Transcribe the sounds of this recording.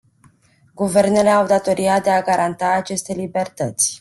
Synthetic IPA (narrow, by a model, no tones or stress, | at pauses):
ɡuve̞rne̞le̞awd̪at̪o̞ɾiad̪e̞aɡaɾant̪aːt͡ʃe̞st̪e̞libe̞rt̪ət̪sʲ